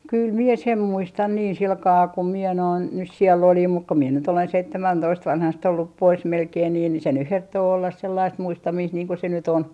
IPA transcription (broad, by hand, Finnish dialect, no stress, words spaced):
kyl mie sem muistɑn niːn silkɑː kum miɛ noin nys siɛlː olim muk ku mie nyt olen seitːemæntoist ʋɑnhɑst olːup pois melkein niː ni se nyh hertːoː olːɑs selːɑist muistɑmiːst niːŋ ku se nyt on